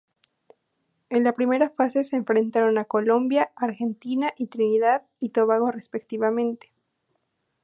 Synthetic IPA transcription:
e̞nlapɾime̞ɾafase̞seːɱfɾe̞nt̪aɾo̞nako̞lo̞mbjaaɾxe̞nt̪inaʔit̪ɾiniðað | it̪oβaɣore̞spe̞kt̪iβamẽ̞nt̪e̥

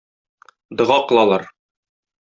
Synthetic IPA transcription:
d̪ɤ̆ʁɑqɤ̆lˠɑlˠɑɾ

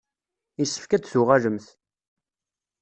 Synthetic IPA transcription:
isːə̥fkæt͡ssʊʁæləmθ

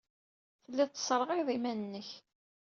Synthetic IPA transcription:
θəlːæt̪t͡s̪ːə̥sˤɾˤəʁiðˤimænənːəç

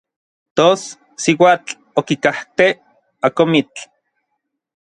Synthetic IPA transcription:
t̪os | siwaːt͡ɬ | okikaht̪e | akomit͡ɬ

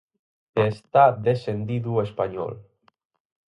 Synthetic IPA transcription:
est̪aðesend̪iðuespaɲɔ̰l

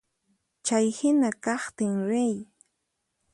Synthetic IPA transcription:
t͡ʃajhɪnakɑχt̪ɪŋɾej

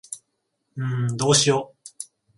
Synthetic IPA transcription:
ɯ̟̃ɴd̪oːɕijoː

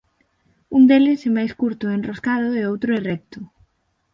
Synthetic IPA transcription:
und̪elɪsɛmajskuɾt̪ʊɛenroskað̞ʊeowt̪ɾʊɛrɛk̚t̪ʊ

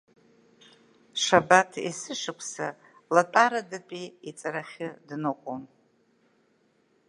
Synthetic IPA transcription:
ʂabatʰḭsɨʂɨkʷʰsa̰ | latʼaɾadat͡pʼiit͡sʼaɾaχʲɪdnɨkʷʼon

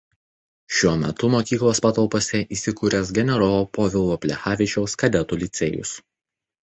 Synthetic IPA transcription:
ʃʲuɔmʲɛ̰t̪ʊmoːkʲiːklˠoːspɑːt̪ɐlˠpoːsʲɛʔiːsʲɪkuːɾʲɛs̬ɡʲɛnʲɛɾoːpoːʋʲɪlˠʋoːpʲlʲɛ̰xɑːʋʲɪt͡ʃʲɛʊskɐd̪ʲɛt̪uːlʲɪt̪sʲeːjʊ̰s

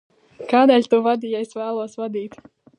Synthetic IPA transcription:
kaːd̪ɛːlʲt̪uvad̪iːjɛjsvæːlˠuɔsvad̪iːt̪

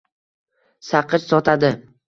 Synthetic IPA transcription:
saqʰɨt͡ʃsɒt̪ʰad̪ɪ

